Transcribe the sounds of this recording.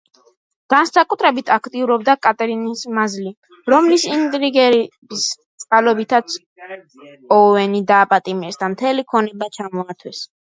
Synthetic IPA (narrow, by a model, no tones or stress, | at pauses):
ɡ̥ansakʼut̪ʰɾɛbit̪ʰakʰt̪ʼiuɾɔbd̪akʼat̪ʼɛɾinismazli | ɾɔmlisint̪ʼɾiɡɛɾbist̪sʼqʼalɔbit̪ʰat̪s | ɔvɛnid̪aːpʼat̪ʼimɛsd̪amt̪ʰɛlikʰɔnɛbat͡ʃʰamɔat̪ʰwɛs